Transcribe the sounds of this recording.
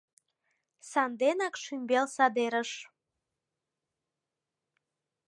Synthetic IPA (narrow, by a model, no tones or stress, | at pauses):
sɑnd̪enɑkʃymbelsɑd̪eɾəʃ